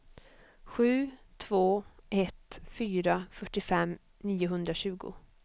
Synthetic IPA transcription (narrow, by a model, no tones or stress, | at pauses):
ɧʉ̟ːt̪ʰvoːʔɛt̪fyːɾafœʈːɪfɛm | niːʊɦɵnd̪ɾaɕʉ̟ːɡʊ̰